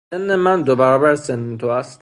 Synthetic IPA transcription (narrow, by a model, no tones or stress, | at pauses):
enːemænd̪obæɾɒːbæɾsenːet̪ʰoæst̪